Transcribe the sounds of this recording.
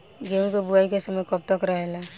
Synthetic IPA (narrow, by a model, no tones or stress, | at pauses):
ɡemkobʊaikesəməjkɔp̚t̪əkɾəɦela